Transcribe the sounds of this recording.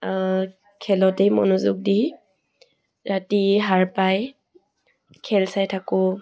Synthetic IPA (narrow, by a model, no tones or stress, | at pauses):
kʰɛlɔtejmɔ̰nuzʊk̚di | ɹatiɦaɹpaj | kʰɛlsajtʰakʊ